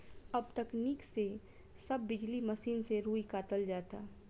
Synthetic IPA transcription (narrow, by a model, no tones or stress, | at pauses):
ɐbt̪ɐkniːkse | sɐbːɪd͡ʒlimɐsiːnseɾuːikaːt̪əld͡ʒaːt̪aː